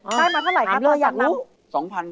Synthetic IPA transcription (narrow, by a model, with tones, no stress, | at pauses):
kʰaː˥˩jmaː˧t̪ʰa˥˩ɾa˨˩˦jkʰa˨˧˩lɯː˧jaː˨˩k̚ɾuː˦˥ | sɔː˨˩˦ŋpʰa˧n